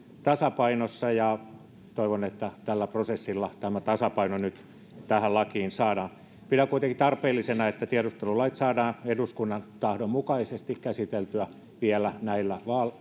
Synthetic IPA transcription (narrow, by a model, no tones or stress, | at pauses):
t̪ɑsɑpɑinosːɑjɑ | t̪oiʋonet̪ːæt̪ælːæprosesːilːɑt̪æmæt̪ɑsɑpɑinonyt̪ | t̪æhællɑkiːnsɑːdɑː | pidækuit̪eŋkit̪ɑrpeːlːisenɑet̪ːæt̪iæɾust̪elulɑit̪sɑːdɑːeduskunːɑnt̪ɑhdommukɑisest̪ikkæsit̪elt̪yæ | ʋiælænæilːæʋɑːl